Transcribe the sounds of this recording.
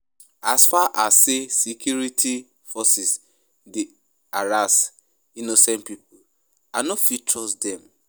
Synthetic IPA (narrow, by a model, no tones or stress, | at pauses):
asfaʔasːesikjuɾitʰi | fɔsis | de | aɾas | inosɛ̃ntpipʊ | anɔfitɹɔsdɛ̃m